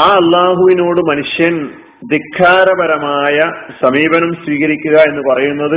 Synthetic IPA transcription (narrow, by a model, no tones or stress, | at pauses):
aːɐlːaːɦuʋino̞ːɽɨmɐnuʂjɐn | d̪ikʰːaːɾɐbɐɾɐmaːjɐsɐmiːbɐnumswiːɣɐɾikʲːuɣɐe̞nːɨpɐrɐjunːɐðɨ